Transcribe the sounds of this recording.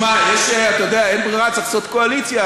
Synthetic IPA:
majeʃeat̪ajod̪eaenbʁiʁat͡saχsot̪koalit͡sja

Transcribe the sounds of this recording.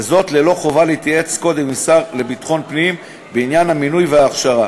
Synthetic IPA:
zo̞t̪le̞lo̞χo̞valeit̪jae̞t͡sko̞d̪emisaʁle̞bit̪χo̞npnim | beinjanhaminujveaːχʃaʁa

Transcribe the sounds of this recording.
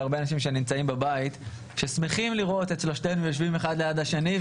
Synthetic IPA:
aʁbeanaʃimʃe̞nimt͡saimbabait̪ | ʃesmeχimliʁo̞t̪et͡slo̞ʃtenuvjo̞ʃvimeχad̪lejadaʃeni

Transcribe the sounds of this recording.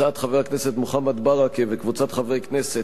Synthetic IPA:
at̪χaveakneset̪moχamad̪baʁakevekvut͡sat̪χavejknese

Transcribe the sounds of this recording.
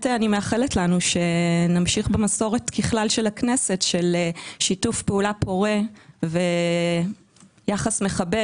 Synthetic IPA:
teanimeaχeletlanuʃe̞namʃiχbemaso̞ʁetkiχlalʃelaknesetʃelʃitufpeulapʰo̞ʁeve̞ | jaχasme̞χabe

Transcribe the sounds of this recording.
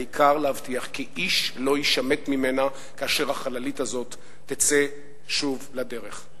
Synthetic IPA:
ikʰaʁlehavt̪iaχkiʔiʃlo̞jiʃame̞t̪mime̞na | kaːʃe̞ʁhaχalalitazo̞t̪ː | et͡se | ʃuvlade̞ʁeχ

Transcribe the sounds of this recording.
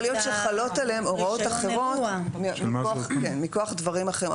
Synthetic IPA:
lijotʃeχalo̞taleemoʁao̞t̪aχeʁo̞t̪mmiokenmikoaχd̪vaʁimaχeʁi

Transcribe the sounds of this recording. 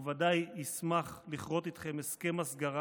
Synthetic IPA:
vad̪ajismaχliχʁo̞t̪it̪χe̞meskemasɡaʁa

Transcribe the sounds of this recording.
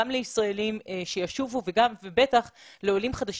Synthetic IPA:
amleisʁae̞limʃejaʃuvuveɡamvebe̞t̪aχleo̞limχad̪aʃ

